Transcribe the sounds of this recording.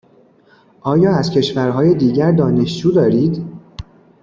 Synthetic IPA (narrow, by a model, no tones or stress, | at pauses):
ʔɒːjɒːæzcʰe̞ʃvæɾɦɒːjed̪iːɟæɾd̪ɒːne̞ʃd͡ʒuːd̪ɒːɾiːd̪